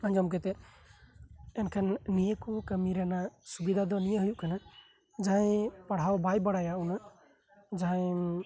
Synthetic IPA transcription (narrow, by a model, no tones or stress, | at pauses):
əɲd͡ʒɔmk̬ɛt̪ɛ | ɛnkʰanːijəkɔkəmiɾɛnasubid̪ʱad̪ɔnijəɦujuʔkʰana | d͡ʒaɦãjpaɽ̤awbajbaɽajaʔuna | d͡ʒaɦãj